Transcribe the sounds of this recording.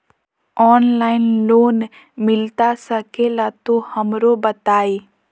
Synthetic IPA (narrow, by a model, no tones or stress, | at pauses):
ɔːnlaːɪnloːn | mɪlt̪asəkelat̪ohɐmɾobət̪aːiː